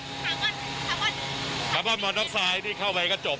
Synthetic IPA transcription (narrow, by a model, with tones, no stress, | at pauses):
sʰa˨˦mɔː˥˩mɔː˧nɾɔ˦˥p̚saː˧jniː˥˩kʰa˥˩wpa˧jkɔː˥˩t͡ɕo˨˩p̚